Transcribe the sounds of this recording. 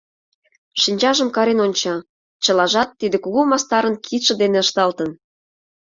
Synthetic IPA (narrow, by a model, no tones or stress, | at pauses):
ʃinʲt͡ɕɑʒə̆mkɑɾenonʲt͡ɕɑ | t͡ɕə̆lɑʒɑt̪ːid̪ekuɣomɑst̪ɑɾənkʰit̪ʃə̆d̪eneəʃt̪ɑlt̪ə̆n